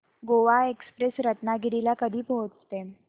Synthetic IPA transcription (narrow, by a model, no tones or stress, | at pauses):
ɡoʋaekspɾesɾət̪naɡiɽilakəd̪ʱiːpoɦot͡st̪e